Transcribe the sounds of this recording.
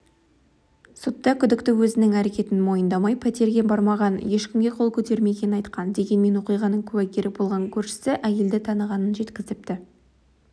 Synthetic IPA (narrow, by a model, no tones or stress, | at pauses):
sʊt̪ːɑkʲʰʏd̪ɪkt̪ɪwɵzɪnɪŋæɾe̞kʲe̞t̪ɪnmo̞jənd̪ɑmɑjpʰæt̪e̞ɾɡʲe̞bɑɾmɑʁɑnje̞ʃkʲɪmɡʲe̞qʰo̞lˠkʲʰɵt̪e̞ɾme̞ɡʲe̞nɪnɑjt̪qɑnd̪e̞ɡʲe̞nme̞nwo̞qijʁɑnəɴkʲʰʏwækʲeɾɪbo̞lˠʁɑŋkʲʰɵɾʃɪ̥sɪʔæje̞ld̪ɪt̪ʰɑnəʁɑnənʒe̞t̪kʲɪzɪp̚t̪ɪ